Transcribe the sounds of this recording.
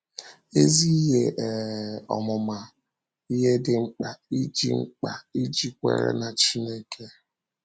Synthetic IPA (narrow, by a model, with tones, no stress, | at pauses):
e˦zi˦ɦe˦ʔɔ̰˨mʊ˨ma˨ | i˦ɦe˦dɪ˨ŋ͡m̩˦k͡pa˨i˦d͡ʒi˦ŋ͡m̩˦k͡pa̰˨i˦d͡ʒi˨kʷḛ˦ɾḛ˦na˨t͡ʃi˦ne˦kʰe˦